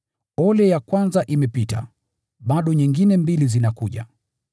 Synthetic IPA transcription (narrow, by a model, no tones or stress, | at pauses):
ɔlɛjakwanzaʔimɛpita̰ | ɓaɗɔɲiŋɡinɛmbilizinakuʄa̰